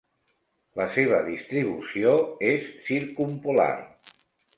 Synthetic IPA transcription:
ləseβ̞əðist̪ɾiβ̞usioesːiɾkumpula̰r

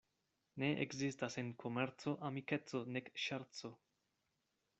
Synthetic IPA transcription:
ne̞ʔḛkzistasenkʰomeɾt͡so̞ʔamike̞t͡so̞nekʃaɾt͡so̞

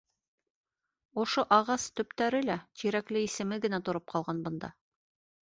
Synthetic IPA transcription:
ŏʃoʔɑʁɑst̪ɵ̆pt̪æɾɘlæt̪iɾæklɘisɘ̆mɘɡɘ̆næt̪ŏɾop̚qʰɑlˠʁɑnbɤ̆nd̪ɑ̰

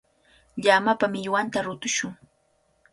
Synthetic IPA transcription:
ʎamapamɪʎwant̪aɾʊt̪ʊʃʊŋ

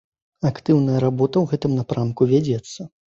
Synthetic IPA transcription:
akt̪ɨwn̪ɐjɐɾabɔt̪ɐwɣɛt̪ɨmnapɾamkuvʲad͡zʲɛt̪sːɐ

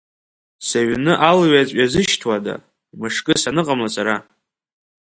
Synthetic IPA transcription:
saɥnɨʔalɥat͡sʷʼazɨʃtʰwada̰ | mɨʂkʼɨsanɨqʼamlasʰʼaɾa

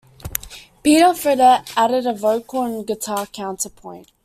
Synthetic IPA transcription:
piːˑɾəfɹɪɾəʔæɾɪɾəvoʊkəlˠə̃nɡɪtʰɑːkʰãʊ̃ntəpʰɔ̃ɪ̃nʔ

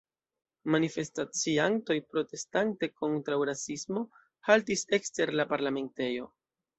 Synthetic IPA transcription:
manife̞stat͡sianto̞jpɾo̞te̞stante̞ko̞ntɾawɾasismo̞ | haltise̞kste̞ɾlapaɾlame̞nte̞jo̞

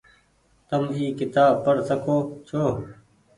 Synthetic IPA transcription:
t̪əmiːkɪt̪aːbpəɾsəkoːt͡ʃʰoː

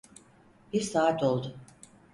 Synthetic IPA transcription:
b̥iɾsaːat̪ʰo̞lˠd̪ʊ

